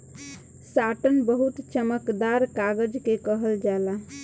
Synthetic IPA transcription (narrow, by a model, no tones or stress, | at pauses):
saʈənbəɦut̪t͡ʃəməkd̪aɾkaɡəd͡ʒkekəɦəld͡ʒala